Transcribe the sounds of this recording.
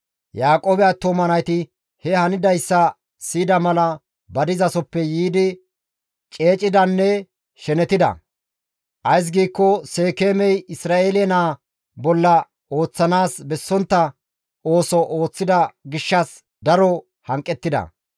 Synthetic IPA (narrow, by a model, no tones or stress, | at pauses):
jaːkʼoːbɛat̪ːomɐnɐjt̪ɪ | hɛhɐnɪd̪ɐjsːɐ | siːd̪ɐmɐlɐ | bɐd̪ɪzɐsɔpːɛjiːd̪ɪ | t͡ʃʼe̞ːt͡ʃʼɪd̪ɐnːɛ | ʃɛnɛt̪ɪd̪ɐ̰ | ʔɐjs̬ɡiːkːɔse̞ːkeːmɛjɪsɾaːʔeːlɛnaː | bɔlːɐ | oːt͡sːɐnaːsbɛsːɔnt̪ːɐ | o̞ːsɔʔo̞ːt͡sːɪd̪ɐɡɪʃːɐs | d̪ɐɾɔ | hɐŋkʼːɛt̪ːɪd̪ɐ̰